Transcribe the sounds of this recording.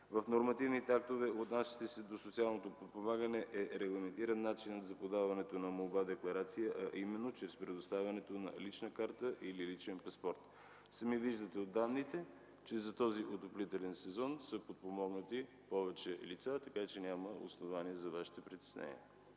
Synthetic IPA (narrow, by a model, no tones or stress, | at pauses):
vəfnoɾmɐt̪ivnit̪ɛak̚t̪ovɛot̪nasʲi̥t̪ɛsɛd̪osot̪sialˠnot̪opot̪̚pomaɡənɛʔɛɾɛɡlˠɐmɛnt̪iɾənːat͡ʃinət̪zɐpod̪avɐnɛt̪onɐmolˠbad̪ɛklˠɐɾat̪sijəʔɐʔimɛnːot͡ʃɾɛspɾɛd̪ost̪avʲɐnɛt̪onɐ̰lit͡ʃnəkaɾt̪əʔililit͡ʃɛnpɐspɔɾt̪ | sɐmiviʒd̪ət̪ɛod̪ːanːit̪ɛ | t͡ʃɛzɐt̪ɔziʔot̪oplit̪ɛlɛnsɛzɔnsəpot̪̚pomɔɡnət̪i | pɔvɛt͡ʃɛlit̪sat̪ɐkat͡ʃɛnʲaməo̰snovaniɛzɐvaʃi̥t̪ɛpɾit̪ɛ̥snɛ̰nḭɛ